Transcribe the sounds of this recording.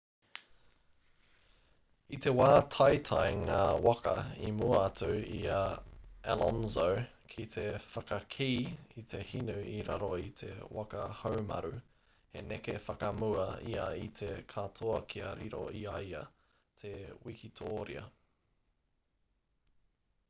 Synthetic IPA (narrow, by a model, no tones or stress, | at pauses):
it̪e̞waːt̪ʰajt̪ʰajŋaːwakɐimuɐɐtʰuiɐɛlʔɔnzow | kʰit̪ʰe̞fɐkɐkʰiːit̪ʰe̞hinʉiɾa̰ɾoit̪ʰe̞̰wakɐhowmɐ̰ɾʉ | hḛnekefɐkɐmuɐiɐit̪ʰe̞kʰat̪ʰoɐkʰiɐɾiɾo̰iɐjɐ | t̪ʰewikit̪ʰoːɾiɐ